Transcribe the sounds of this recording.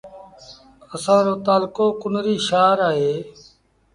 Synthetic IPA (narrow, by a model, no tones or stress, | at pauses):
əsãːɾoːt̪aːlkoːkʊnɾiːʃaːɾaːɦeː